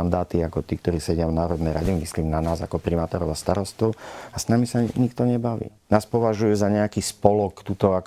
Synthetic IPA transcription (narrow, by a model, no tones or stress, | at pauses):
nd̪aːt̪iakɔt̪iːkt̪ɔɾiːsɛɟɪavnaːɾɔd̪nɛjɾaɟɛmisliːmnanaːza̰kɔpɾimaːt̪ɔːɾɔʊast̪aɾɔst̪ɔʊasnamisaɲikt̪ɔɲɛbaʋḭːnaːspɔʋaʒujɛzaɲɛakiːspɔlɔkt̪uːt̪ɔak